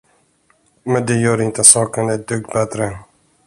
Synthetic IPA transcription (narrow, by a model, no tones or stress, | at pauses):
mɛnd̪ɛjœːɾɪnt̪əsɑːkənɛd̪ɵɡ̪̚bɛt̪ɾə